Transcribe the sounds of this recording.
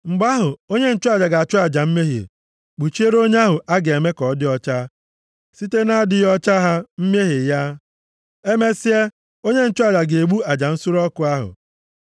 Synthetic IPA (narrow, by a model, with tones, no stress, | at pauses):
ŋ͡m̩˨ɡ͡ba˦ɦʊ˨o˦ɲe˦n̩˦t͡ʃʊ˦a˨d͡ʒa˨ɡa˨a˨t͡ʃʊ˦a˨d͡ʒa˨m̩˦me˦ɦḭ˨ | k͡pu˨t͡ʃi˦e˦ɾo˦ɲe˦a˦ɦʊ˨ʔa˦ɡe˨me˦kɔ˨˦dɪ˦ɔ˦t͡ʃa˦ | si˦te˦na˦˨dɪ˨˦jɔ˦t͡ʃa˦ɦa˦m̩˦m˦e˦ɦi˨ja˦ | e˦me˦si˦e˦ | o˦ɲe˦n̩˦t͡ʃʊ˦a˨d͡ʒa˨ɡe˨ɡ͡bu˦a˨d͡ʒa˨n̩˦sʊ˦ɾɔ˦kʊ˨a˦ɦʊ̰˨